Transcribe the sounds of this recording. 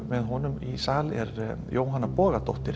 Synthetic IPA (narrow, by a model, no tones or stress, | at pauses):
vɛðɦɔnʏmisaːlɛɾjoːwɦanːapɔːɣat̪ɔht̪ɪɾ̥